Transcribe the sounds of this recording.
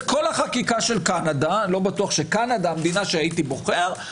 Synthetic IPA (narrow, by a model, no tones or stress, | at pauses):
ko̞laχakikaʃelkanadalo̞batuaχʃekanad̪amd̪inaʃeait̪ibo̞χeʁ